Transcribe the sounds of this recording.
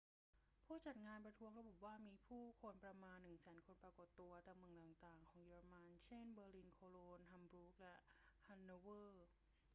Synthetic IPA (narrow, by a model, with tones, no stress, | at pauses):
pʰuː˥˩t͡ɕa˨˩t̪̚ŋaː˧npɾa˧t̪ʰu˦˥əŋɾa˧bu˨˩waː˥˩miː˧pʰuː˥˩kʰo˧npɾa˧maː˧nːɯ˨˩ŋsɛː˩˦nkʰo˧npɾaː˧ko˨˩t̪ːu˧ɐt̪a˧˩mɯ˨˩əŋt̪aː˨˩ŋt̪aː˨˩ŋkʰɔː˩˦ŋjeː˧ɾa˧ma˧nt͡ɕʰe˥˩nbɤː˧liː˧nkʰoː˧loː˧nɦa˧mbɾuː˦˥k̚lɛ˦˥ʔha˧nːoː˧wɤː˥˩